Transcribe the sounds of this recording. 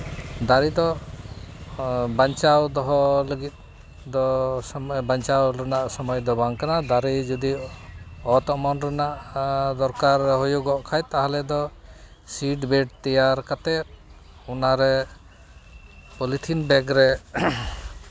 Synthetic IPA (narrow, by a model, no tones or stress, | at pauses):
d̪aɾid̪ɔ | baɲt͡ʃawd̪ɔɦɔləɡit̪̚ | d̪ɔsɔmbaɲt͡ʃawɾɛnaʔsɔmɔjd̪ɔbaŋkanad̪aɾid͡ʒɔd̪i | ɔt̪ɔʔmɔnɾɛnaʔd̪ɔɾkaɾɦɔjuɡɔʔkʰajt̪aɦalɛd̪ɔ | siʈbɛɖt̪ɛjaɾkat̪ɛt̚ | unaɾɛ | pɔlit̪ʰinbɛɡɾɛ